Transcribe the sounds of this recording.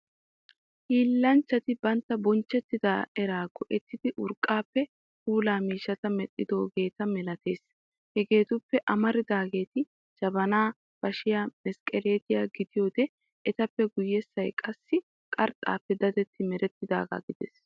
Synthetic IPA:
hiːlːɐnt͡ʃːɐt̪ɪbɐnt̪ːɐbɔnt͡ʃːɛt̪ːɪd̪aːɛɾaːɡɔʔɛt̪ːɪd̪ɪʔʊɾkʼːaːpːɛ | huːlaːmiːʃːɐt̪ɐmɛt̪ʼːɪd̪o̞ːɡe̞ːt̪ɐmɛlɐt̪e̞̰ːs | hɛɡe̞ːt̪ʊpːɛʔɐmɐɾɪd̪aːɡe̞ːt̪ɪ | d͡ʒɐbɐnaː | b̥ɐʃɪjaːmɛskʼɛleːt̪ɪjaːɡɪd̪ɪjoːd̪ɛː | t̪ɐpːɛɡʊjːɛsːɐjkʼɐsːɪ | kʼɐɾt̪ʼa̰ːpːɛd̪ɐd̪ɛt̪ʰːɪmɛɾɛt̪ːɪd̪a̰ːɡa̰ɡɪd̪ɛ̰s

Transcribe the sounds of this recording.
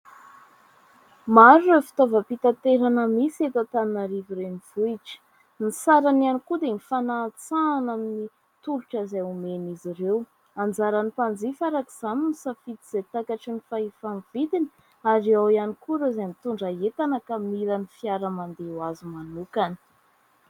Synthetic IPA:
maɾuefi̥t̪ovəpit̪at̪eɾanəmiset̪at̪annaɾiviɾeniv̥uiʈ͡ʂə̥ | nisaɾananikud̪enifanaːt͡saːnamini | t̪uluʈ͡ʂaizaumeniziɾew | and͡zaɾanipand͡zifaɾakiz̥aminisafit̪iz̥at̪akaʈ͡ʂinifaifanvid̪ini̥ | aɾiawianikuɾozanit̪uɳɖ͡ʐaet̪anakamilanifiaɾəmand̪ewazimanukanə̥

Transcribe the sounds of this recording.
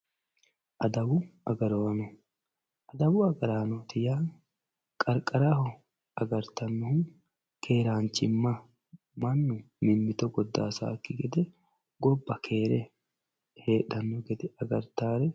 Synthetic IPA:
ʔɐd̪ɐwʊɐɡɐɾoɐnɔ | ʔɐd̪ɐwʊɐɡɐɾaːnot̪ɪjaːn | kʼɐɾkʼɐɾahɔ | ɐɡɐɾt̪ɐnːɔhʊn | kʰe̞ːɾaːnt͡ʃɪmːɐ | mɐnːʊ | mɪnːɪt̪ɔɡɔd̪ːa̰ːsa̰ːkːɪɡɛd̪ɛ | ɡɔbːɐkʰe̞ːɾɛ | heːᶑɐnːɔɡɛd̪ɛɐɡɐɾt̪aːɾɛ

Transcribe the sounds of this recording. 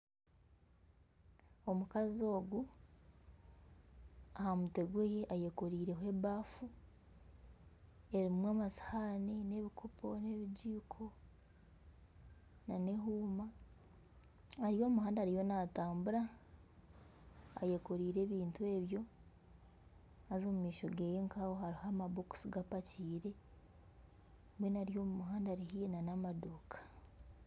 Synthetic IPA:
o̞mukazio̞ːɡu | ahamuteɡwejeʔajekoɾiːɾe̞ɦwe̞ːβaːfu | e̞ɾimwaːmasḁhaːnine̞βikʰopʰo̞ne̞βiɟiːkʰo̞ | nane̞ɦuːma | ɾijo̞ːmuhaːndaːɾijo̞nataːmbuɾa | jekoɾiːɾe̞ːβiːntue̞ːβjo̞ | azo̞ːmumiːʃo̞ɡejeŋkawohaɾihamaboku̥siɡapaciːɾe̞ | βwe̞naɾijo̞ːmumuɦaːndaɾihijenanamadoːkʰḁ

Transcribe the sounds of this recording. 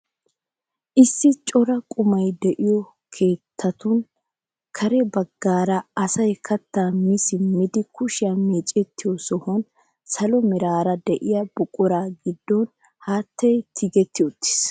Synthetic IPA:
ʔɪsːɪt͡ʃʼɔɾɐkʼʊmɐjd̪ɛʔɪjɔ | kʰe̞ːt̪ʰːɐt̪ʊn | kʰɐɾɛbɐɡːaːɾɐɐsɐjkʰɐt̪ːamɪsɪmɪd̪ɪkʰʊʃɪjameːt͡ʃʼɛt̪ʰːɪjɔsɔhɔn | sɐlɔmɪɾaːɾɐd̪ɛʔɪjɐbʊkʼʊɾaːɡɪd̪ːɔn | haːt̪ːɛjt̪ʰɪɡɛt̪ʰːɪʊt̪ːɪ̥s

